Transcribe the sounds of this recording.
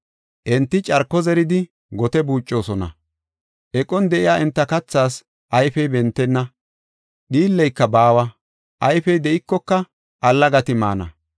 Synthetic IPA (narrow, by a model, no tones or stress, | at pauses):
ʔɛnt̪ːɪt͡ʃʼɐɾkːɔzɛɾɪd̪ɪ | ɡɔt̪ɛbuːt͡ʃʼːo̞ːsɔnɐ̰ | ʔɛkʼɔnd̪ɛʔɪjaːɛnt̪ːɐkɐt͡sːaːs | ʔɐjfɛjbɛnt̪ːɛnːɐ | ɗiːlːɛjkːɐbaːwɐ | ʔɐjfɛjd̪ɛʔɪkːɔkːɐ | ʔɐlːɐɡɐt̪ɪma̰ːnɐ̰